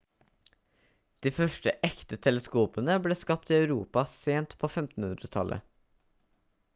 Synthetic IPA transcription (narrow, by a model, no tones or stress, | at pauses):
d̪̥iːfœʃʈəʔɛkt̪ət̪ʰɛləskuːpənəbleːskɑp̚t̪iːɑʉɾuːpɑseːnt̪pʰoːfɛmt̪n̩hʉnd̪ɾət̪ʰɑ̰lʔə̰